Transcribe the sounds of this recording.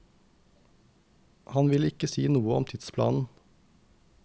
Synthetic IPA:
hɑnʋɪlɪkəsiːnuːəɔ̰mt̪ʰɪd̪spʰlɑ̰ːnn̩

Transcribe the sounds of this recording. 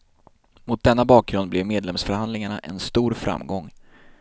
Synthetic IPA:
mʊt̪̚d̪ɛnːabɑːk̚ɡɾɵnd̪̚blɛvmeːd̪lɛmsfœɾhand̪lɪŋaɳa̰ʔɛnst̪uːɾfɾa̰mːɡɔŋː

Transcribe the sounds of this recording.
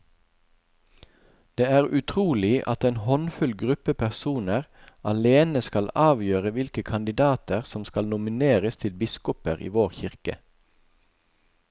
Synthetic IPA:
d̪̥eːæːʁʉt̪ʰʁuːlɪʔɑ̰t̪eːnhɔnfʉlɡʁʉpəpʰæʁsuːnəʁɑleːnəskɑlɑːʋjøːʁəʋɪlkəkʰɑnd̪ɪd̪ɑːt̪əʁsɔmskɑlnʊmɪneːʁəst̪ʰɪlbɪskʊpəʁḭːʋoːʁçɪʁkə̰

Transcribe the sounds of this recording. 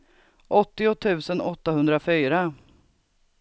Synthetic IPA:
ʔɔt̪ːɪʊt̪ʰʉ̟ːsənɔt̪ːahɵnd̪ɾafyːɾa

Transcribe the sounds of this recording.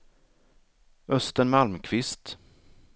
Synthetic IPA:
œst̪əɳmalmkʰvɪst̪

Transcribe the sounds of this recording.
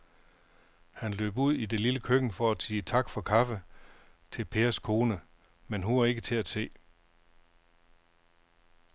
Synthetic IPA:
hænlø̰ːb̥uð̞̰ˠide̝liləkʰøɡ̥n̩fɒ̽æsiːt͡sʰɑ̈ɡ̥fɒ̽kʰɑ̈fət͡sʰe̝lpʰe̝ːɐskʰo̝ːnə | menɦuɐe̝ɡ̥ət͡sʰe̝læsʰe̝̰ː

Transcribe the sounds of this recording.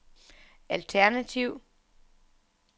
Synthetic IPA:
ælt͡sʰæɐnæt͡sʰiʊ̰

